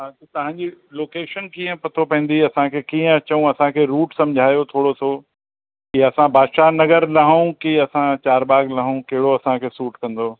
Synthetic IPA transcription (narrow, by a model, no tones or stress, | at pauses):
a | t̪ɐɦãːɲd͡ʑiloːkeːʃənkiːə̃pɐt̪ʰopɐ̃ɦn̆d̪iɐsãkʰeːkiːə̃ɐt͡ɕɐũɐsãkʰeːɾuːʈsɐ̃md͡ʑʱaːjot̪ʰoːɽosʰo | kiɐsãbʱaːd̪ʃanɐɡəɾlɐɦũkiɐsãt͡ɕaːɾbaːɡlɐɦũkɐɦɪɽoɐsãkʰeːsuːʈkɐ̃n̆d̪o